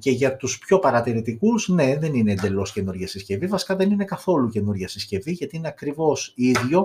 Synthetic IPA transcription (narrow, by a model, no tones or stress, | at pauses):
ce̞ʝɐt̪uspço̞pɐɾɐt̪iɾit̪ikuzne̞ðe̞nine̞ːnd̪e̞lo̞sce̞nuɾʝɐsisce̞vivɐsi̥kɐðe̞nine̞kɐθo̞luce̞nuɾʝɐsisce̞viʝɐt̪iine̞ɐkɾivo̞siðʝo̞